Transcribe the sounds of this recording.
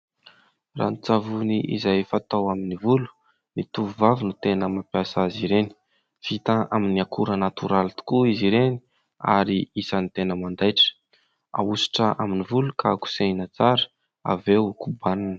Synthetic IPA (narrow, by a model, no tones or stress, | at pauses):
ra̰nit͡savuniʔizajfat̪awaminivulu̥ | nit̪uvuvavinut̪enəmapjasaziɾeni | fit̪aaminiakuɾənat̪uɾalit̪u̥kuiziɾeni | a̰ɾiisanit̪enəmand̪ajʈ͡ʂə̥ | a̰usi̥ʈ͡ʂəʔaminivulukʰaku̥seinat͡saɾə̥ | a̰vewukubaninə̥